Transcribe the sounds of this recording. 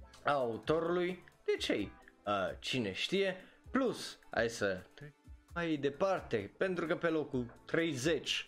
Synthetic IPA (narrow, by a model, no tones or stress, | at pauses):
aut̪o̞ɾulujd̪̥e̞t͡ʃejət͡ʃine̞̰ʃt̪ije̞plusa̰jsət̪ajd̪e̞part̪e̞pe̞nt̪ɾukəpe̞lo̞kut̪ɾe̞jze̞t͡ʃʲ